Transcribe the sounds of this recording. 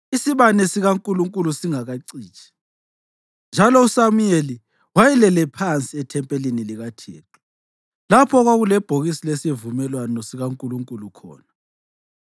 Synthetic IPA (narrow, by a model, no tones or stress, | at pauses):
isiβanɛsiɣaŋkʼuluŋkʼulusiŋaɣaǀiːt͡ʃʰʼi̥ | nd͡ʒʱalɔusamujeli | wajɛlɛlɛpʰant͡sʼiɛtʰɛmpʼɛliniliɣatʰḛːtʼu̥ | lapʰɔɣwaɣulɛb̥ʱoɣisilɛsevumɛlwanɔsiɣaŋkʼuluŋkʼulukʰɔ̰ːna